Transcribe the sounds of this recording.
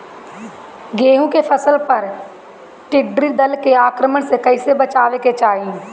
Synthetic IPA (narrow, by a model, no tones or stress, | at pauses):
ɡeːɦũkepʰəsəlpəɾ | ʈɪɖɾid̪əlkeaːkɾəməɳsekəɪsebət͡ʃaːʋeket͡ʃaːɦĩ